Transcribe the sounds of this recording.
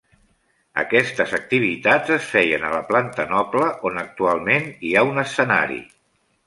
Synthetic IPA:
ə̰kɛst̪əzək̚t̪iβ̞it̪azəsfɛjənələplant̪ənɔkləʔonək̚t̪ualˠmeniaunəsəna̰ɾḭ

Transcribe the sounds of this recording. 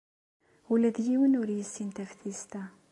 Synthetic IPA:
ulæðjiwənʊɾjəsːint̪æfθist̪æ

